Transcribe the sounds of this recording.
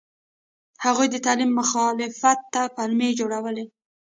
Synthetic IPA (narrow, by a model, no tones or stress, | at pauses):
haɣujd̪ət̪ɑlimːʊxɑlɪfat̪ːapalmed͡ʒoɽawəle